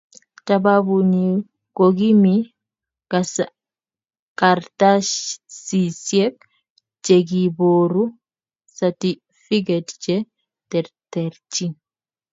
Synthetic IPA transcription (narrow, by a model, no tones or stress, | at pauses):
tababuni | ɡ̥oɡimi | ɡ̥asa | kaɾtaʃsisiɛk̚ | d͡ʒeɡiboːɾu | sati | fiɡɛtd͡ʒɛ | tɛɾtɛɾt͡ʃi